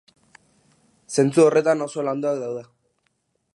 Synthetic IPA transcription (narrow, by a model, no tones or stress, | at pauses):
se̞nt͡suo̞re̞t̪anoso̞land̪uakðawð̞e